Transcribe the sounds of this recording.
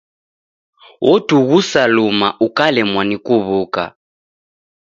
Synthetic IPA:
wʔɔtuɣusalumaʔukalɛmwanikuβuːka̰

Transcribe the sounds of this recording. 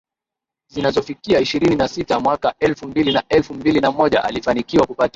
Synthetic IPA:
zinazɔfikiaiʃiɾininasitamwakaɛlfumbilinaɛlfumbilinamɔʄa̰ʔa̰lifanikiwakupata

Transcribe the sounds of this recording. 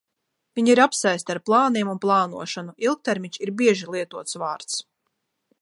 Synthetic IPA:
viɲiɾapsajst̪aɾplˠaːniɛmunplˠɑːnṵɔʃɔnuilˠk̚t̪ɛɾmʲiɲʃiɾbiɛʒilˠiɛt̪uɔt̪svaːɾt̪s

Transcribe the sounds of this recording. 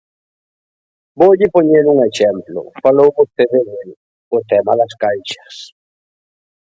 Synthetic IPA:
boʎɪpoɲeɾuŋeʃɛmplʊ̰falowβost̪eðeðel | ʊt̪ɛmaðaskajʃɐ̥s

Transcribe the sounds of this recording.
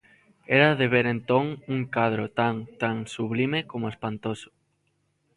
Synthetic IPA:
ɛɾaðeβeɾent̪oŋuŋkaðɾot̪aŋt̪aŋsuβlimekomoespant̪osʊ̥

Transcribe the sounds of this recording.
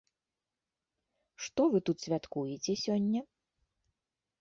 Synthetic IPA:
ʂt̪ɔvɨt̪ut̪sʲvʲat̪kujɛt͡sʲɛsʲɔnʲːɐ

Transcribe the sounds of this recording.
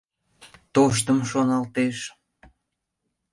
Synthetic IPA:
t̪oʃt̪əmʃonɑlt̪eʃ

